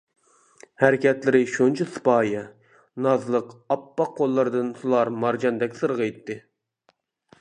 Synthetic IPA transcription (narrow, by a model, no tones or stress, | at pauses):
hæɾɪkʲɛt̪lɪɾɪʃont͡ʃʰɨsɨ̥pɑːjɛ | nɑzlˠəqɑpːɑqʰːolˠːɨɾɨd̪ɨnsulˠɑɾmɑɾd͡ʒɑnd̪ɛkʲsɨɾʁəjt̪ːɨ